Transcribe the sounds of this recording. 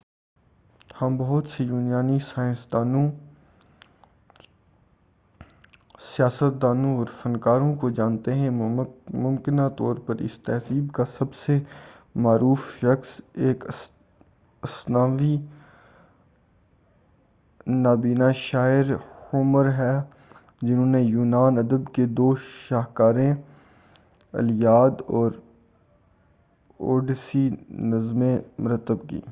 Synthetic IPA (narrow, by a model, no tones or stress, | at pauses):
hɐmbɐɦʊt̪sejuːnjaːnisaːɪ̃nsd̪aːnõ | sijaːsət̪̚d̪aːnõɔːɾfɐnkaːɾõkod͡ʒãːnt̪eɦɛ̃mʊ̃mkɪnat̪ɔːɾpɐɾɪ̰st̪ɛɦsiːbkasɐbse | maːɾuːfʃɐxseːk | ɐsnaːʋi | naːbiːnaʃaːɪɾʊməɾɦɛ | d͡ʒɪnɦõːnejuːnaːnɐd̪əbked̪oːʃaːɦkaːɾẽ | ɐ̰ljaːd̪ɔːɾ | oːɖsinɐzmẽmʊɾət̪ːəbkḭː